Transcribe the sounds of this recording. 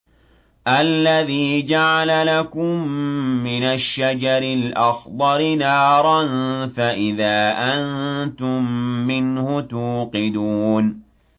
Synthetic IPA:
ʔalːaðiːd͡ʒaʕalalakʊmːɪnaʃːad͡ʒɑɾɪlʔɑxd̪ˤɑɾɪnɑːɾˤɑnfaʔɪðaːʔannt̪ʊmːɪnhʊt̪uːqɨd̪uːn

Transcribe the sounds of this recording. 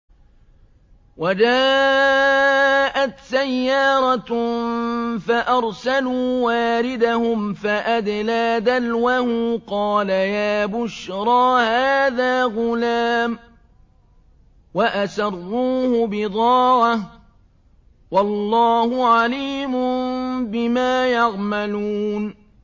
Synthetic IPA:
wad͡ʒaː | ʔat̪sajːɑːɾˤɑ | faʔɑɾˤsaluːwaːɾɪd̪ahʊmfaʔad̪laːðalwahʊqɑːlajaːbʊʃɾˤɑːhaːðaːɣʊlaːm | waʔasɑrˤːuːhʊbɪd̪ˤɑːʕa | wɑlːɑːhʊʕaliːmʊbɪmaːjɑɣmaluːn

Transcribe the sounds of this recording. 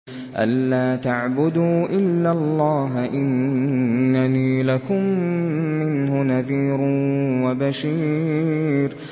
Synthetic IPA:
ʔa̰lːaːt̪aʕbʊd̪uːʔɪlːalˤːɑːɦʔɪnː | aniːlakʊmː | ɪnhʊnaðiːɾwabaʃiː | ɾ

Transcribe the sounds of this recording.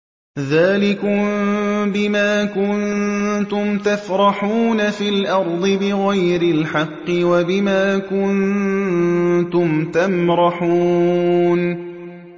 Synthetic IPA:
ðaːlɪkʊmbɪmaːkʊnt̪ʊmt̪afɾˤɑħuːnafiːlʔɑɾˤd̪ˤɨbɪɣajɾɪlħɑqːɪwabɪmaːkʊn | t̪ʊmt̪amɾɑħuːn

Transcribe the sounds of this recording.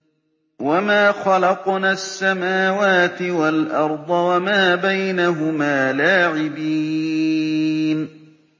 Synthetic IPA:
wamaːxɑlɑqnaːsːamaːwaːt̪ɪwalʔɑɾˤd̪ˤɑwamaːbajnaɦʊmaːlaːʕɪbiː | n

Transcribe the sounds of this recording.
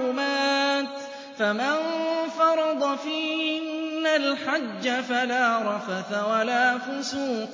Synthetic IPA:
ʊmaːt̪ | famanfɑɾˤɑd̪ˤɑfiːhɪnːalħad͡ʒːafalaːɾˤɑfaθawalaːfʊsuːq

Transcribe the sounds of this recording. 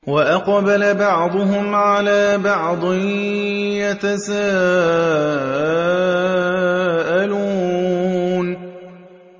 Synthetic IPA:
waʔɑqbalabɑʕd̪ˤʊɦʊmʕalaːbɑʕd̪ˤɪ | jat̪asaː | ʔaluː | n

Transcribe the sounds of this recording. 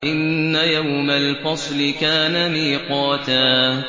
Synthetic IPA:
ʔɪnːajawmalfɑsˤlɪkaːnamiːqɑːt̪aː

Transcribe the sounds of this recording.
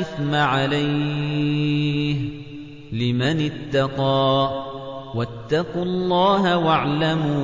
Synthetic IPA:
ɪθmaʕalaj | h | lɪmanɪt̪ːɑqɑː | wat̪ːɑqʊlˤːɑːɦawaʕlamuː

